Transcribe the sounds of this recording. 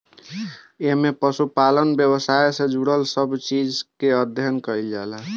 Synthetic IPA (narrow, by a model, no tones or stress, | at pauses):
eɦmepəsupalənbjəbəsajesẽd͡ʒuɽəlsəbt͡ʃid͡ʒkeəd̪ʱjənkəild͡ʒalə